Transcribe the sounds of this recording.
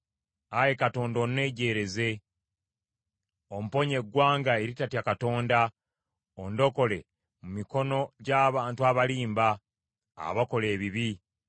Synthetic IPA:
aje̞kato̞ːndo̞ne̞ːɟe̞ːɾe̞ze̞ | o̞m̩upo̞ɲe̞ɡːwaːŋɡae̞ɾitatjakato̞ːnda | o̞ndo̞ko̞le̞ | mumiko̞no̞ɟaːβaːntuaβaliːmba̰ː | βako̞le̞ːβiβi

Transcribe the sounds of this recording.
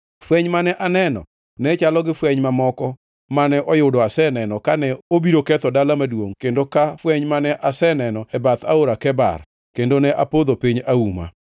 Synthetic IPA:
fwɛɲmanɛʔanɛnɔ̰ | nɛt͡ʃalɔɡɪfwɛɲmamɔkɔ | manɛʔɔjʊdɔasɛnɛnɔkanɛobiɾokɛt̪ɔdalamadwoŋkendokafwɛɲmanɛʔasɛnɛnɔɛbat̪a̰oɾakɛba̰r | kendonɛʔapod̪opiɲauma̰

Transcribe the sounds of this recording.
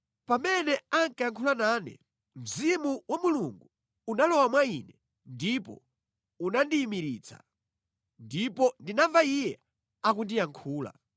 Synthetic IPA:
pamɛnɛaŋkaaŋkʰulanaːnɛ̰ | m̩zimuwamuluŋɡu | unalɔwamwainɛ | ndipɔ̰ | unandiːmiɾiːt͡sʰa̰ | ndipɔndinaɱvaijɛ | ak̬undiaŋkʰuːla̰

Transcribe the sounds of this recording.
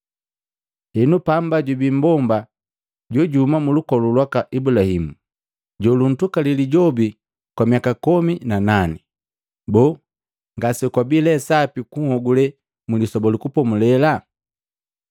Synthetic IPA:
hɛnupambaɟubimbɔmba | ɟɔɟuhmamulukɔlulwakaʔibulahimu | ɟɔlun̩tukaliliɟɔbi | kwamiakakɔminananɛ | bɔ | ŋɡasɛkwabilɛsapikuŋhɔɡulɛ | mulisɔbɔlikupɔmulɛla

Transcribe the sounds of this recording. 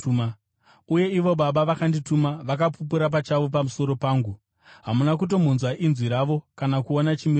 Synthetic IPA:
m | uje̞iʋo̞ɓaɓaʋakanditumaʋakapupuɾap̬at͡ʃaʋo̞p̬amuso̞ɾo̞paːŋɡu | ɦamunakuto̞m̤unzwaʔinzwiɾaːʋo̞kanakuonat͡ʃimir

